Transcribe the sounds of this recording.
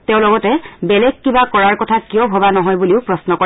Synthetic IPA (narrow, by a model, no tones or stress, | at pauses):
tɛ̃ʊ̃lɔɡɔtɛbɛlɛɡ̚kibakɔɹaɹkɔtʰakijɔbʱɔbanɔɦɔjbuliʊpɹɔsnɔkɔ